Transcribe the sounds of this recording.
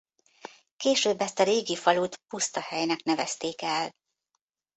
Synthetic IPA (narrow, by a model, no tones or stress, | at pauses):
keːʃøːbːɛst̪ɒɾeːɡifɒlut̪pust̪ɒhɛjnɛknɛvɛ̰st̪eːkɛl